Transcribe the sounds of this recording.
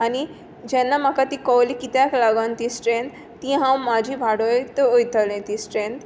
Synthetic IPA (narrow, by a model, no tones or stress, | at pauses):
ani | d͡ʑɛnːamakat̪ikɔwlikit̪jaklaɡənt̪isʈɾẽnt̪ːĩɦãwmad͡ʑʱibʱaɽojt̪oojt̪ʰəlẽt̪isʈɾẽnt̪